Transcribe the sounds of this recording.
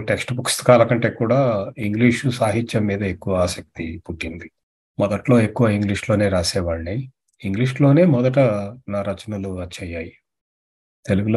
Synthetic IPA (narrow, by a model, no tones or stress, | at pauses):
ʈe̞ksʈpukst̪ɐ̥kaːlɐkɐɳʈe̞ːkuːɽaːiŋɡliːʂusaːɦit͡ʃːɐmːiːd̪ɐekːuʋɐaːsɐk̚t̪ipuʈːind̪i | mɔd̪ɐʈlo̞ːe̞kːuʋɐiŋɡliːʂloːne̞ːɾaːsɛːʋaːɭni | iŋɡliːʂlo̞ːne̞ːmɔd̪ɐʈ̬ɐnaːɾɐt͡ʃɐnɐluɐt͡ʃːɐjːaːji | t̪e̞luɡulo